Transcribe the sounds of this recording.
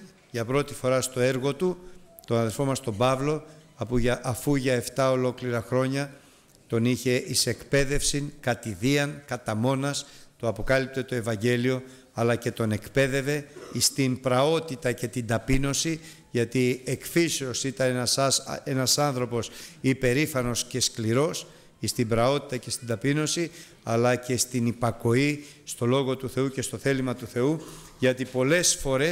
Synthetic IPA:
ʝɐpɾo̞t̪i̥fo̞ɾɐst̪o̞e̞ɾɣo̞t̪ut̪onɐðeɾfo̞mɐst̪o̞bɐvlo̞ɐpuʔɐfuʝɐeft̪ɐo̞lo̞kliɾɐxɾo̞ɲɐ | t̪o̞niçe̞ʔise̞kpe̞ðe̞fsiŋkɐt̪iðiɐŋkɐt̪ɐmo̞nɐst̪oɐpo̞kɐlip̚t̪e̞t̪o̞e̞vɐɲɟe̞lio̞ | ɐlɐce̞t̪o̞ne̞kpe̞ðe̞ve̞ist̪impɾɐo̞t̪it̪ɐce̞t̪ind̪ɐpino̞si | ʝɐt̪iekfiso̞sit̪ɐnsse̞nɐsɐnθɾo̞po̞sipe̞ɾifɐno̞sce̞skliɾo̞s | ist̪imbɾɐo̞t̪i̥t̪ɐce̞st̪ind̪ɐpino̞si | ɐlɐce̞st̪inipɐko̞i | st̪o̞lo̞ɣo̞t̪uθe̞uce̞st̪o̞θe̞limɐt̪uθe̞u | ʝɐt̪ipo̞le̞sfo̞ɾe

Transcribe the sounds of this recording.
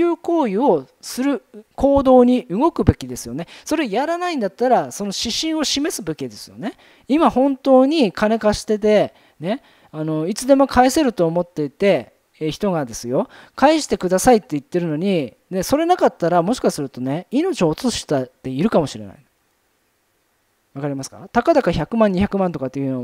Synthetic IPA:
kʲɯːko̞ːio̞ | sɨɾɯ̟kʰo̞ːd̪o̞ːɲ̟iʔɯ̟ɡo̞kɯ̟be̞kʲid̪e̞sɨjo̞neso̞ɾe̞ojaɾanaĩnd̪at̪ːaɾaso̞no̞ɕiɕĩɰ̃o̞ɕime̞sɨbe̞kʲid̪e̞sɨ̥jo̞̰ne̞ | imahõ̞nt̪o̞ːɲ̟ikʰane̞kaɕi̥t̪e̞t̪e̞ | ne̞ | ano̞it͡sɨd̪e̞mo̞kʰaese̞ɾɯ̟t̪o̞ːmo̞t̪ːe̞it̪e̞ | çi̥t̪o̞ɡad̪e̞sɨjo̞kaeɕi̥t̪e̞kɯ̟d̪asait̪ːe̞it̪ːe̞ɾɯ̟no̞ɲ̟i | ne̞so̞ɾe̞nakat̪ːaɾamo̞ɕi̥kasɨɾɯ̟t̪o̞ne̞ino̞t͡ɕio̞ːt͡sɨɕi̥t̪at̪ːe̞iɾɯ̟kamo̞ɕiɾe̞̰na̰i | βakaɾʲimasɨ̥ka̰t̪akad̪akaçakɯ̟mãɲ̟içakɯ̟mãnt̪o̞kat̪ːejɯ̟no

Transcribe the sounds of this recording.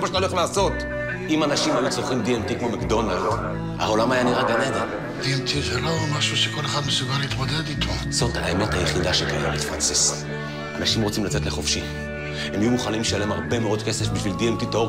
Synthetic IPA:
maʃataolelaːso̞t | imanaʃimalet͡soχimd̪ientikmo̞makdo̞nald | a̰o̞lamajaniʁaɡaneded | d̪̥iɛnt̪ʰizelomaʃuʃeko̞leχad̪mesuɡaliːt̪mod̪ed̪it̪ʰo | z̥o̞thaeme̞thajeχidaʃekajabifʁanses | ʔanaʃimʁo̞t͡simlat͡se̞tleχo̞fʃi | hemajumuχanimlʃalemaʁbe̞meo̞dke̞sefbiʃvildientitoov

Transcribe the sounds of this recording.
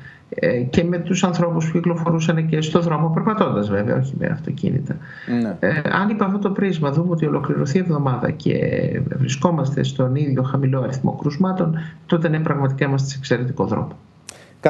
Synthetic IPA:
ece̞me̞t̪usɐnθɾo̞puspuciklo̞fo̞ɾusɐnece̞st̪o̞ðɾo̞mopeɾpɐt̪o̞nd̪ɐzve̞veɐ̰o̞çimḛɐ̰ft̪o̞̰cḭnḭt̪ɐ | ɐ̰nipɐft̪ot̪o̞pɾizmɐðumeo̞t̪io̞lo̞kliɾo̞θievðo̞mɐðɐ̰ce̞̰vɾisko̞mɐst̪e̞st̪o̞niðʝo̞xɐmilo̞ɐɾiθmo̞̰kɾuzmɐt̪o̞nt̪o̞t̪e̞nempɾɐɣmɐt̪ikɐimɐst̪sekse̞ɾe̞t̪iko̞̰ðɾo̰mo

